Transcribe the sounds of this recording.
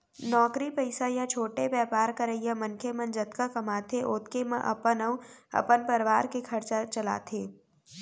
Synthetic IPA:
nɔːkɾipəɪsajat͡ʃʰoːʈebɛːpaːɾkɐɾəɪjamɐ̃nkʰemɐ̃nd͡ʒɐt̪kakɐmaːt̪ʰeʔoːt̪kemɐ̰̃ʔɐ̰pənəuɐ̰pənpɐɾʋaːɾkekʰɐɾt͡ʃat͡ʃɐla̰ːt̪ʰeː

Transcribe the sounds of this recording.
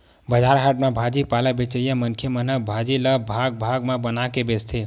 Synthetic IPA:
bəd͡ʒaɾɦaʈmebʱad͡ʒipaləbet͡ʃəjãmənkʰjemənəbʱad͡ʒiləbʱaɡ̚bʱaɡmebənakebest̪ʰe

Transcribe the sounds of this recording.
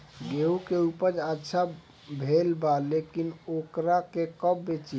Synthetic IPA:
ɡeukeupəɾd͡ʒətːʃʰa | bʱelbalekinokɾakekəbːet͡ʃi

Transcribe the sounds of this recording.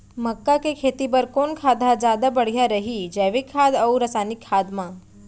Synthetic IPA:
məkːakekʰeːt̪ipəɾkoːnkʰaːd̪ʱad͡ʒaːd̪abəɽ̤ijaɾəɦid͡ʒɛːʋikʰːaːd̪əuɾɐsaːnɪkʰːaːd̪mã

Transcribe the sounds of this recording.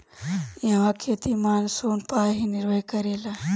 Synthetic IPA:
jaʋãːkʰeːt̪imaːnsoːnpaːɦinɪɾʋəjkɐɾeːlaː

